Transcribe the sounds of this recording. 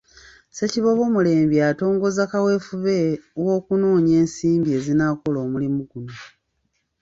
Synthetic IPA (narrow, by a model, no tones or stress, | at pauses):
se̞ciβo̞βo̞ːmule̞ːmbjaːto̞ːŋɡo̞zakawe̞fuβe̞wo̞ːkunoːɲe̞ːnsiːmbie̞ːzinaːkolo̞ːmulimuɡuno̞